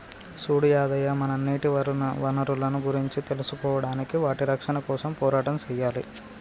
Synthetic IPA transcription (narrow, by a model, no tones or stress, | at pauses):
suːɽijaːd̪ɐjaːmɐnɐnːiːʈiʋɐɾʋɐnɐɾulɐnuɡuɾiɲt͡ʃit̪e̞lusukɔːʋɐɽaːnikiʋaːʈiɾɐkʂɐnɐkɔːsɐmpɔːɾaːʈɐmt͡ʃɛjːaːlḭ